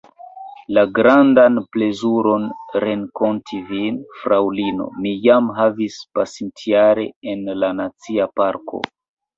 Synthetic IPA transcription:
laɡɾandanple̞zuɾo̞nɾe̞ŋko̞ntʰivinfɾawlino̞̰mijamɦavispasintʰiaɾe̞̰enlanat͡siapaɾkʰo̞̰

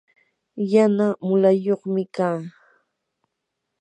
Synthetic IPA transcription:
janamʊlajoχmɪkaː

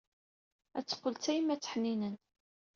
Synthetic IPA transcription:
æt͡sːə̥qːəlt͡sæjəmːæt͡sːə̥ħninən

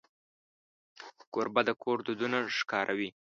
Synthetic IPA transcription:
koɾbad̪əkʰoɾd̪ud̪unaʂkɑɾʔawi

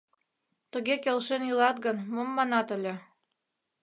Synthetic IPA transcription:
t̪ə̆ɣekelʃenjilɑt̪ɣənmɤmːɑnɑt̪ə̆lʲĕ

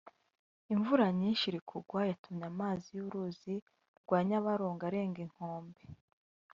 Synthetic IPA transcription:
iɱvuɾaɲinʃiɾikʰuɡwajatumɲamaːzijuɾuːzi | ɡwaːɲaβaɾoːŋɡaɾe̞ːŋɡiŋ̥hoːmbe

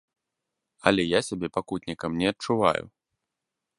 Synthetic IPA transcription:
ɐ̰lʲɛjasʲabʲɛpakut̪ʲnʲikɐmnʲɛɐt͡ʂuva̰jṵ

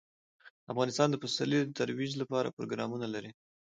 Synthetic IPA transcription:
afɣɑnɪst̪ɑnd̪əpasɑlid̪ət̪aɾwid͡ʒlapɑɾa̰pɾo̰ɡɾɑmunalaɾi

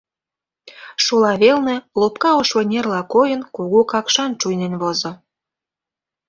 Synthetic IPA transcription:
ʃolɑβelnĕlopkɑoʃβɤ̆nʲerlɑkojənkuɣokɑkʃɑnt͡ʃujnenβozŏ

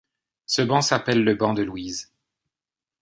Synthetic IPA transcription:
səbɑ̃sapɛlːəbɑ̃d̪əlwiz

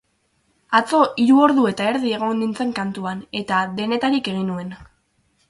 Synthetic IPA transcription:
at͡so̞ʔiɾuo̞ɾðue̞t̪ae̞ɾðie̞ɣ̞o̞nd̪int͡se̞ŋkant̪uane̞t̪aðe̞ne̞t̪aɾike̞ɣ̞inue̞n

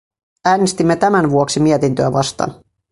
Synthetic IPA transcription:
æːnest̪imːet̪æmænʋuoksimiet̪int̪øæʋɑst̪ɑ̰ːn

